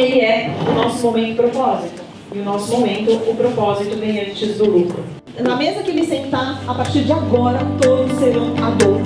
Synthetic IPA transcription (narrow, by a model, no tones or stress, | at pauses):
elɪɛʊnɔsʊmomẽnt̪ʊpɾopɔzit̪ʊ | ɪʊnɔsʊmomẽnt̪ʊʊpɾopɔzit̪ʊvẽj̃ɐ̃t͡ʃid̪ʊlukɾʊ | nɐmezmɐkɪmɪsẽnt̪aapaɾt͡ʃiɾd͡ʒɪaɡɔɾɐt̪od̪ʊsːeɾɐ̃w̃abo